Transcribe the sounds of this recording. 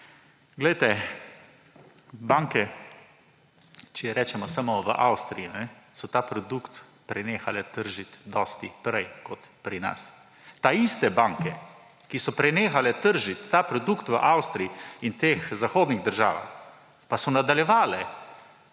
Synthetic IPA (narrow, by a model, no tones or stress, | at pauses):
ɡlɛjt̪ɛ | baŋkɛ | t͡ʃɛɛɾɛːt͡ʃɛmɔsamɔʋəʔawst̪ɾijinɛsɔt̪aːpɾɔd̪ukt̪ | pɾɛneːxalɛt̪əɾʒit̪d̪ɔst̪ipɾɛjkɔt̪pɾina̰s | t̪aist̪ɛbaŋkɛ | kisɔpɾɛneːxalɛt̪əɾʒit̪ːaːpɾɔd̪ukt̪ʋəʔawst̪ɾiiint̪eːxzaxoːd̪niɣd̪əɾʒaːʋa̰x | pasɔnad̪aljɛʋaːlɛ